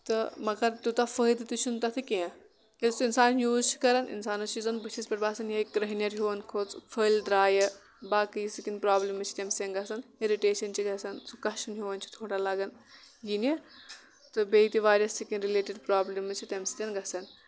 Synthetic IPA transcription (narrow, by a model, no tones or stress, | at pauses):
t̪ɨmɐɡɐɾt̪ut̪ɐfəid̪ɨt̪ɨt͡ʃʰunt̪ɐt̪ʰɨkeɐ̃ | est̪uinsaːnjuːzt͡ʃʰi̥kɐɾɐnḭnsaːnɐt͡ʃʰizɐnbɐt͡ʃʰispʲeʈbaːsɐnjɐkɾɐɦnjɐɾɦoʋɐnkʰoːt͡spʰɐlɖ̪ɾaːjɐ | baːkɨjisikinpɾaːblimːɨt͡ʃʰi̥t̪emst̪ʲenɡɐsɐneɾiʈeːʃɐnt͡ʃʰiɡɐsɐnsukɐʃʰunɦiʋɐnt͡ʃʰi̥t̪ʰoːɽalɐɡɐnjine | t̪ɨbeit̪iʋaːɾiɐsikinɾileːʈiɖpɾaːblɐmːɨt͡ʃʰit̪emsi̥t̪ʲɐnɡɐsɐn